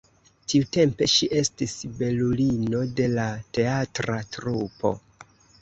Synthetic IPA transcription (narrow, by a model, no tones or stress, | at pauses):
tiute̞mpe̞ʃiʔe̞stisbe̞lulino̞de̞late̞atɾatɾupo̞̰